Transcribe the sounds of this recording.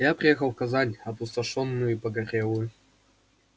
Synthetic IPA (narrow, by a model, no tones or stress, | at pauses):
japɾʲɪjexəlˠfkɐzanʲɐpʊst̪ɐʂonːʊjʊipəɡɐɾʲelˠʊjʊ